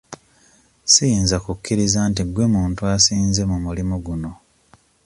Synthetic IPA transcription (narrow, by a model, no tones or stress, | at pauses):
siiːnzakukːiɾizaːnt̬iɡwe̞muːntuasiːnze̞mumulimuɡuno̞